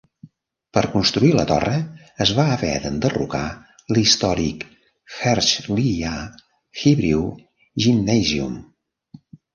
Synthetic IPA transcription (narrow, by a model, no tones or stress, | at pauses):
pəɾkunst̪ɾuilət̪ɔ̰rəː | zβaəβɛ̰ðənd̪ərṵka | list̪ɔɾḭk | xɛɾʃlia | xiβɾiw | ʒinːɛziṵm